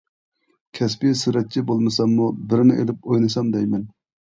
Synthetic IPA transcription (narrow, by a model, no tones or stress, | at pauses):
kʲʰɛspɪsɪɾɛt̪̚t͡ʃʰibolˠmɨsɑmːubɪɾnɪʔḛlɪp̚ojnɨsɑmd̪ɛjmɛn